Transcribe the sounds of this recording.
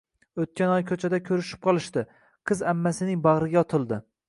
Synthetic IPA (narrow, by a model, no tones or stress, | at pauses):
ot̪̚kʲanɒjkʲʰɵt͡ʃʰad̪akʲʰɵɾɪʃɪ̥p̚qʰɒlˠɪʃt̪ɪ | qʰɨzamːasɪnɪŋbɑʁɾɪɡʲaɒt̪ʰɪlˠd̪ɪ